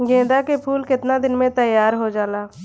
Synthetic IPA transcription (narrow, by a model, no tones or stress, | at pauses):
ɡẽːd̪aːkepʰuːlkɪt̪nad̪ɪnmẽt̪əjːaːɾɦod͡ʒaːlaː